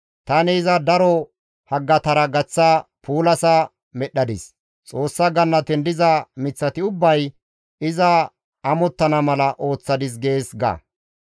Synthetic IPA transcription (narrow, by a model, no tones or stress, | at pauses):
t̪ɐnɪːzɐd̪ɐɾɔ | hɐɡːɐt̪ɐɾɐɡɐt͡sːɐpuːlɐsɐ | mɛɗːɐd̪ɪs | t͡sʼo̞ːsːɐɡɐnːɐt̪ɛnd̪ɪzɐmɪt͡sːɐt̪ɪʊbːɐj | ɪzɐ | ɐmɔt̪ːɐnɐmɐlɐʔo̞ːt͡sːɐd̪ɪs̬ɡe̞ːsɡɐ̰